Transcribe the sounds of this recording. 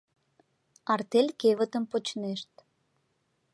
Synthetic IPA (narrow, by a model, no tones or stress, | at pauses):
ɑrt̪elʲkevət̪əmpot͡ɕneʃt̪